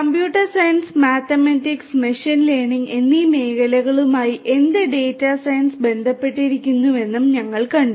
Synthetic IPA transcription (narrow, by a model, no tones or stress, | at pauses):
kɐmpjuːʈːɐrsɐjɐnsmaːt̪ːɐmɐtːiksmeʂinleːɳiŋe̞nːime̞ːkɐlɐɣɐɭumaːjiʔe̞nd̪eɖe̞ːtːasɐjɐnsbe̞nd̪ʱɐpːe̞ʈːiɾikʲːunːuʋe̞nːumɲɐŋːɐɭkɐɳɖu